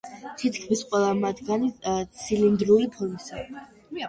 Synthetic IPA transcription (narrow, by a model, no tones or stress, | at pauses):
t̪ʰit̪ʰkʰmisqʼwɛlˠamat̪ʰɡanit̪sʰilind̪ɾuɾipʰɔmisa̰